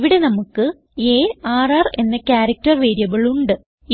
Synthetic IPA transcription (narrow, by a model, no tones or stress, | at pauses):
ʋiɽe̞nɐmukːɨ | eːaːrɐre̞nːɐkʲaːɾɐk̚tɐrʋeːɾijɐɣɐɭuɳɖɨ